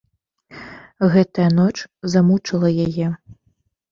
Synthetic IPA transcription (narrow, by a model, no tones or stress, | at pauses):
ɣɛt̪ɐjɐnɔt͡ʂzamut͡ʂɐlˠɐjajɛ